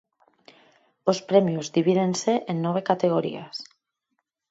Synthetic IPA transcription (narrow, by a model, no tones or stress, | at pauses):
ospɾemjuzðiβ̞iðenseʔenːoβ̞ekat̪eɣ̞oɾḭas